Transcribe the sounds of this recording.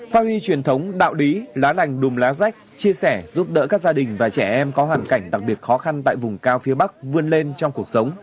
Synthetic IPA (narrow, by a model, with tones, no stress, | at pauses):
faː˧li˧t͡ɕwi˨˩ənt̪ʰə˨˦wŋ͡mɗa̰ː˧˨wli˨˦laː˨˦la˨˩jŋ̟ɗʊ˨˩mlaː˨˦za˦˥jk̚t͡ɕi˧əsɛ˧˩zu˦˥p̚ɗə̰ː˧˥kaː˦˥k̚zaː˧ɗï˨˩ŋ̟vaː˨˩t͡ɕɛ˧˩ʔɛ˧mkɔ˨˦ɦwaː˨˩ŋka˧˩jŋ̟ɗa˨˩k̚ɓi˨˩ət̚xɔ˨˦xa˧nt̪a̰ː˧˨jvʊ˨˩ŋ͡mkaː˧wfi˨˦əɓa˦˥k̚vɨ˧ənle˧nt͡ɕɔ˧wŋ͡mku˨˩ək̚sə˨˦wŋ͡m